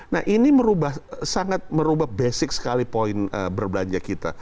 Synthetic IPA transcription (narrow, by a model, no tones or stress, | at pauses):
na̰hʔiniməɾubahsaŋat̪̚məɾubahbesɪk̚sə̥kalipoɪnə̰bərbəlaɲd͡ʒakit̪a̰